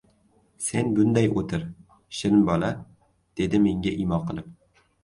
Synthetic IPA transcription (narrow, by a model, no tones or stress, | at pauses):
se̞nbʊnd̪ajot̪ʰɪɾ | ʃɪnbɒla | d̪̥e̞d̪ɪme̞ŋʲaʔimɒqʰɨlˠɪp